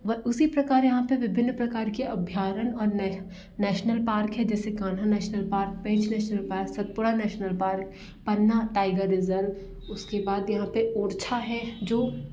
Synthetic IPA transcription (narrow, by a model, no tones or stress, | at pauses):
ʋɐʔʊsipɾɐkaːɾjɐɦãpeʋɪbʱɪnːpɾɐkaːɾkeɐbʱjaːɾənɔːɾn | nɛːʃnəlpaːɾkɦɛd͡ʒɛːsekãːn̤anɛːʃnəlpaːɾk̚pɛ̃ːt͡ʃnɛːʃnəlpaːɾksɐt̪̚pʊɽanɛːʃnəlpaːɾk | pɐnːaʈaːɪɡəɾɪzəl | ʊskebaːd̪jɐɦãpeoːɾt͡ʃʰaɦɛd͡ʒoː